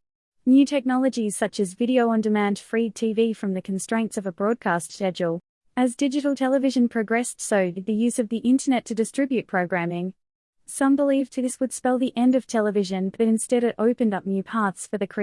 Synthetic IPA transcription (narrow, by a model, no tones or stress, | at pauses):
njʉtʰɛk̚nɑlˠəd͡ʒiz̥sʌt͡ʃɨzvɪɾioʊə̃ndɨmæ̃nd̥fɹitʰivifɹʌ̃mðɨkʰn̩stɹ̥ẽɪ̃ntsʌvəbɹɔd̚kʰæstʃɛd͡ʒəlˠ | ɨzdɪd͡ʒɨɾl̩ˠtʰɛlˠəvɪʒɨ̃npʰɹ̥ɨɡɹɛstsəʊðɨjʉzʌvðiʔɪ̃ntə˞nɛtʰɨdɨstɹ̥ɪbjʉt̚pʰɹ̥oʊɡɹæ̃mɪ̃ŋ | sʌ̃mbəlivtʰɨðɪswəd̥spɛlˠðiʔɛ̃ndʌv̥tʰɛlˠəvɪʒɨ̃nbʌɾɨ̃nstɛɾɨɾʔoʊpɨ̃ndʌp̚njʉpʰɑɹtsfə˞ðɨkʰɹ̥i